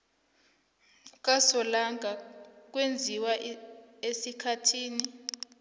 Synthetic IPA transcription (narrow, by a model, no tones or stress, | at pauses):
k̬ʼasɔlaŋʱak̬wend͡zʱiwa | esikʰatʰiːni